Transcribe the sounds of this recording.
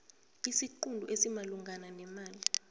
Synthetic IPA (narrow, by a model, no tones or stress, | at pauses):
isikundʱṵʔesimaluŋɡʱananɛmaːli